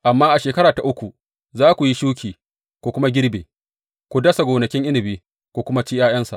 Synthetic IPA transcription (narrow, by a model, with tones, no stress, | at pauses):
ʔa˨mːaː˦ʔa˨ʃeː˨kɐ˦ɾaː˨ta˨ʔʊ˦kʷu˨ | zaː˦kʷu˨ji˦ʃuː˦kʲiː˨ | kʷu˨kʷʊ˦ma˦ɡʲɪ˦ɽbḛː˨ | ku˨dɐ˦sa˨ɡʷoː˨nɐ˨kʲɪ˦ŋʔɪ˦nɪ˨biː˦ | kʷuː˨kʷʊ˦ma˦t͡ʃi˦jaː˦j̰ɐ˦nsa̰˨ʔ